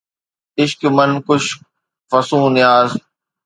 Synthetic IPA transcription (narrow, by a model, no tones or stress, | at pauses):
ɪʃkmənkʊʃ | fəsũːnɪjaːz